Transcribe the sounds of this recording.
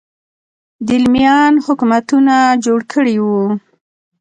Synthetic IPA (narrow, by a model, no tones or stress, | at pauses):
d̪ɪlmjɑnhʊkumat̪unad͡ʒoɽkʰəɽiwu